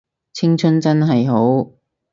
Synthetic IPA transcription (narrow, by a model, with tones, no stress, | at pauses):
t͡sʰɪ˥ŋt͡ʃʰɵ˥nt͡sɐ˥nɦɐ˨jɦo˨˥w